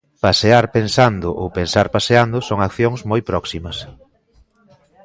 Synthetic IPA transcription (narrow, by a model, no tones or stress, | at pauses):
paseaɾpensand̪ʊʔowpensaɾpaseand̪ʊsoŋakθjoŋzmojpɾɔksimɐs